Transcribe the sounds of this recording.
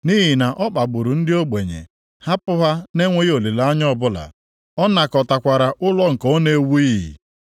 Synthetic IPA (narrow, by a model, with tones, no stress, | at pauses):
ni˦ɦi˨na˨ʔɔ˦k͡pa˨ɡ͡bʊ˨ɾʊ˨n̩˦dɪ˦o˦ɡ͡be˨ɲḛ˨ | ha˦pʊ˦ɦa˦ne˦ŋʷe˦jo˨le˨la˦ɲ˦ɔ˦˨bʊ˦la̰˨ | ɔ˦na˨kɔ˨ta˨kʷa˨ɾa˨ʔʊ˦lɔ˦ŋ̩˨ko˦ne˨˦wu˦i˦ɦḭ˨